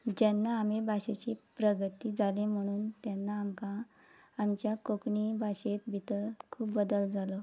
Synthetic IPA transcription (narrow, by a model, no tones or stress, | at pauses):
d͡ʑanːaːmibʱaɕet͡ɕiːpɾəɡət̪iːd͡zalem̤əɽ̃uːnt̪janːaːmkãː | mt͡ɕjakokɳibʱaɕet̪bʱit̪əkʰuːbbəd̪əld͡zalɔ